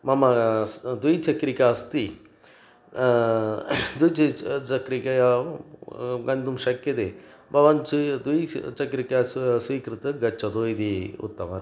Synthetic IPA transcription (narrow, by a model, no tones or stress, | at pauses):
mɐmɐd̪ujt͡ʃɐkɾikaːst̪i | d̪ujt͡ʃit͡ʃɐkɾikɐja | ɡɐnd̪umʃɐkjɐt̪e | bʱɐʋɐnt͡ʃd̪ijt͡ʃɐkɾikasʋiːkɾɨt̪ɨɡɐt͡ʃːɐd̪oːjd̪iṵt̪ːɐʋɐ̰n